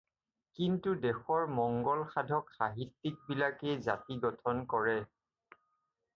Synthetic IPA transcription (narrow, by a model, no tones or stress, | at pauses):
kintudɛxɔɹmɔŋɡɔlxadʱɔkxaɦitːik̚bilakɛzatiɡɔtʰɔnkɔɹɛ